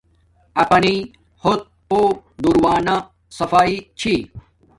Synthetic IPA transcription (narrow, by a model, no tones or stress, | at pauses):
ɐpɐni | hot̪̚pod̪uɾwaːna | sɐfaːit͡ɕʰiː